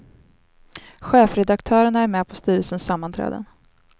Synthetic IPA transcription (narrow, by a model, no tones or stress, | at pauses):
ɧeːfɾɛd̪akt̪ʰœːɾəɳaæɾmɛːpʰɔst̪yːɾəlsənsamːant̪ʰɾɛ̰ːd̪ə̰n